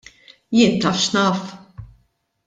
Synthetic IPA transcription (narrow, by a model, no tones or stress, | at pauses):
jɪːnt̪ɐfʃnɐːf